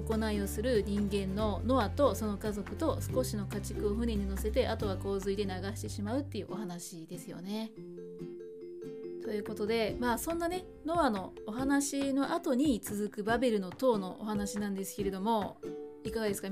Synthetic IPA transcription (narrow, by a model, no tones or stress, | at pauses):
ko̞naio̞sɨɾɯ̟ɲ̟ĩŋɡẽ̞nːo̞no̞at̪o̞so̞no̞kazo̞kɯ̟t̪o̞sɨ̥ko̞ɕino̞kat͡ɕi̥kɯ̟o̞ɸɯ̟ne̞ɲ̟ino̞se̞t̪e̞ʔat̪o̞β̞ako̞ːzɨid̪e̞naɡaɕi̥t̪e̞ɕimaɯ̟t̪ːe̞iɯ̟ʔoɦanaɕid̪̥e̞sɨjo̞̰ne̞ | t̪o̞jɯ̟ːko̞t̪o̞d̪e̞maːsõ̞nːane̞ | no̞βano̞ːɦanaɕino̞ʔat̪o̞ɲ̟it͡sɨzɨkɯ̟babe̞ɾɯ̟no̞t̪o̞ːno̞ʔo̰ɦanaɕinãnd̪e̞sɨ̥ke̞ɾe̞d̪o̞mo̞ikaɡad̪e̞sɨ̥ka